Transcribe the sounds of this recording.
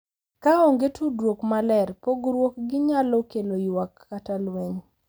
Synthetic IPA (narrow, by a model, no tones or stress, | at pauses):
kaɔŋɡetʰudwokmalɛrpoɡɾwok̚ɡɪɲalɔkelojwakːatalweɲ